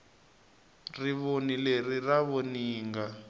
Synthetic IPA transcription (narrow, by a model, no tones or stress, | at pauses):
riβonileriraβoniːŋɡa